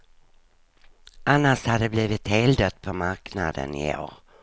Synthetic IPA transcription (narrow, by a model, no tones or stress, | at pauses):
ʔanːaʂhad̪əbliːvɪt̪hɛld̪ət̪̚pʰɔmaɾkna̰d̪ə̰nɪo̰ːɾ